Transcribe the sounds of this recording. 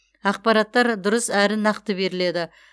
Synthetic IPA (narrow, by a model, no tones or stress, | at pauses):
ɑq̚pɑɾɑt̪ːɑɾd̪ʊɾəsæɾɪnɑqt̪əbe̞ɾɪle̞d̪ɪ